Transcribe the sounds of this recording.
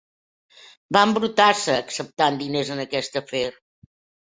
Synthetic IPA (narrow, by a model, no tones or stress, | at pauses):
bambɾut̪asəːksəp̚t̪and̪inezənəkɛst̪əfeɾ